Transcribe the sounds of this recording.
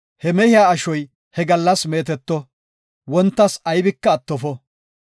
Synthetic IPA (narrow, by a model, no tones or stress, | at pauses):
hɛmɛhɪjaːɐʃɔj | hɛɡɐlːɐsme̞ːt̪ɛt̪ːɔ | wɔnt̪ːɐsɐjbɪkːɐːt̪ːɔfɔ